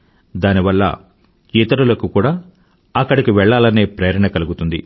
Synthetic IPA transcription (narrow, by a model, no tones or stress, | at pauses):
d̪aːniʋɐlːɐ̰ | iːt̪ɐɾulɐkukuːɽaː | ɐkːɐɽikiʋɛɭːaːlɐne̞ːpɾeːɾɐɳɐkɐluɡut̪und̪ḭ